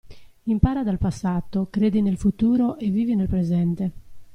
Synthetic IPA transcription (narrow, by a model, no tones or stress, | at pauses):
impaːɾad̪alpasːaːt̪okɾeːd̪inelfut̪uːɾoʔevːiːvinelpɾezɛnt̪e